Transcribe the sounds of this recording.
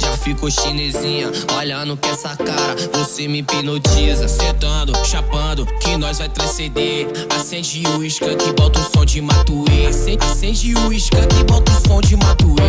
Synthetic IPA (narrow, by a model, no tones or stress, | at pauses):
ʒafikoʃinezĩɲɐɔʎɐ̃nʊpɛ̃sɐkaɾɐvosemɪpenot͡ʃizɐsẽt̪ɐ̃d̪ʊʃapɐ̃d̪ʊkẽj̃nɔjzvajt̪ɾɐ̃sed̪eɾ | asẽd͡ʒɪuiʃkɐkɪbɔt̪ũsõd͡ʒɪmat̪uisẽasẽd͡ʒɪuiʃkɐkɪbɔt̪ʊ̃sõd͡ʒɪmat̪ui